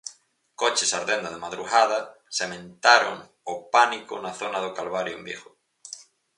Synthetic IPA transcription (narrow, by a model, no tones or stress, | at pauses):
kot͡ʃesaɾðend̪aðemaðɾuɣaðasemẽnt̪aɾo̰ŋ | ʊpanikʊnaθonaðʊkalβaɾjʊmbjiɣʊ